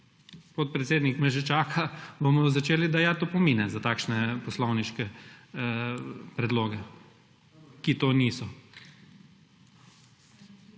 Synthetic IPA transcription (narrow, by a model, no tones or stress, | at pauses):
pot̪̚pɾɛt̪seːd̪nikmɛʒɛt͡ʃaːkʰabomɔzat͡ʃeːlid̪ajat̪opɔmiːnɛzat̪aːkʃnɛpɔslɔwniʃkɛ | pɾɛd̪loːɡɛ | kit̪oːniːsɔ